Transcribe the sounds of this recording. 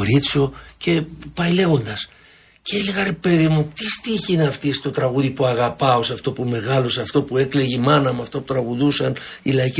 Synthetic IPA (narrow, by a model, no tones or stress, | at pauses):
oɾit͡soce̞pɐile̞ɣo̞nd̪ɐs | celiɣɐɾepe̞ðimut̪ist̪içinɐft̪ist̪o̞t̪ɾɐɣuðipuɐɣɐpɐo̞sɐft̪o̞pume̞ɣɐlo̞sɐft̪o̞puekle̞ʝimɐnɐmuɐft̪oput̪ɾɐɣuðusɐnilɐici